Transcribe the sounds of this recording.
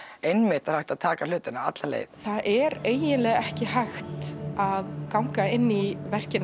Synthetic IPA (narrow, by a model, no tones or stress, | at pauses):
ejnmɪht̪aɾ̥hajht̪aðt̪ʰaːkalʏːt̪ɪnaa̰t̪lalḛːjðθaðʔɛɾeːjɪnlɛːɣɛhcɪhajxt̪aðkawŋkaɪnːivɛr̥cɪn